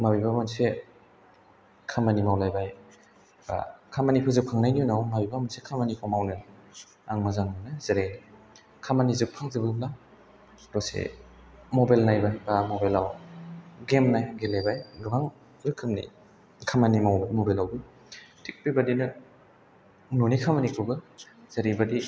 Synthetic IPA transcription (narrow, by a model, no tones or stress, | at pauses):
mabibamanse | kʰamanimawlajbaj | ba̰kʰamanipʰɯzɯpʰaŋnajniunawmabibamansekʰamanikʰɔmawnɯna | aŋmazaŋnɯnɯzeɾejni | kʰamanizɯk̚pʰaŋzɯbɯbla | ɾɔsḛ | mobajlnajbabamobajlaw | ɡemnajɡelejbajɡɯbaŋ | zɯkʰːɯmnḭ | kʰamanimawbamobelawbɯ | tʰik̚pibadinɯ | nonikʰamanikʰɯbɯ | z̥aɾibadi